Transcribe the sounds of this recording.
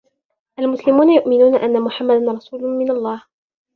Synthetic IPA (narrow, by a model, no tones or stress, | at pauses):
ʔalmʊslɪmuːnajʊʔmɪnuːnaʔanːamʊħamːad̪anɾˤɑsuːlʊmɪnalˤːɑːh